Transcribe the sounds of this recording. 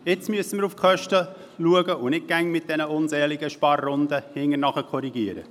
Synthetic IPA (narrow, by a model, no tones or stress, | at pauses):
ɪt͡smyəsəmɪːɾufkʰœʃtə | luəɡəʊnɪk̚ɡ̥æŋmɪt̚d̥ɛnəʊnzɛːlɪɡəʃpɑrːʊnd̪əhɪŋənɑχəkʰɔɾiɡiəɾə̰